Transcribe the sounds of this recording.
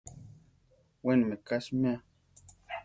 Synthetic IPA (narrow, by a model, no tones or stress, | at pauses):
wenmekaʃmea